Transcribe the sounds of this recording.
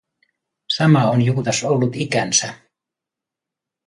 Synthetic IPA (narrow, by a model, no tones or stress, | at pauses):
sɑmɑonjukut̪ɑsolːut̪ikænsæ